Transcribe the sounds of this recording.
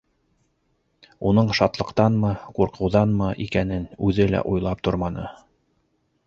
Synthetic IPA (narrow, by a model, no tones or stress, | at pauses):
un̪ɤɴʃɑt̪lˠɤ̆qt̪ɑnmɤquɾqʰɤ̆wðɑnmɤʔikænɘnʉðɘlæ̰ʔujlˠɑp̚t̪oɾmɑnɤ